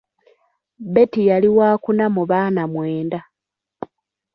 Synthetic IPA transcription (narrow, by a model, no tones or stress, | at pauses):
be̞tijaliwaːkunamuβaːnamwe̞ːnda